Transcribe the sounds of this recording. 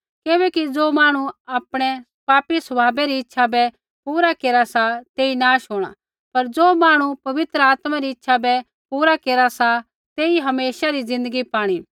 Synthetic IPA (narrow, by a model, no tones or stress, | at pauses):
keːβɛkid͡zoːmaːɽ̃uaːpɽ̃ɛ | paːpisɐbʱaːbɛɾiɪtːʃʰabɛ | puːɾakeːɾasat̪eːinaːʃʊːɽ̃a̰ | pɐɾd͡zoːmaːɽ̃upɐʋɪt̪ɾəaːt̪maɾiɪtːʃʰabɛ | puːɾakeːɾasa | t̪eːiɦɐmeːʃaɾizɪ̃nd̪əɡipaːɽ̃i